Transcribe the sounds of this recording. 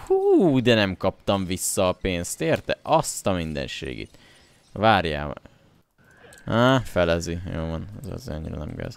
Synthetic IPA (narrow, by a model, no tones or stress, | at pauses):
huːd̪ɛnɛmkɒp̚t̪ɒɱvisːɒːpeːnst̪eːrt̪ɛʔɒst̪ɒmind̪ɛ̰nʃḛːɡḭt̪ | ʋaːrja̰ː | afɛlɛzijoːlvɔnɛzɒ̰zeːɒ̰ɲːiɾɒ̰nɛ̰mɡɛ̰z